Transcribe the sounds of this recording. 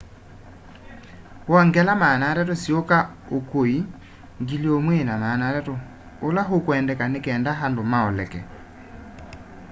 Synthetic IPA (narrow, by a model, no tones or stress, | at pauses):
wɔŋɡɛlamaːnaɾɛtosiokaokoi | ŋɡiliomwenamanaɾɛto | olaɦokwɛːndɛkanekɛːndaɦandomaɔlɛkɛ̰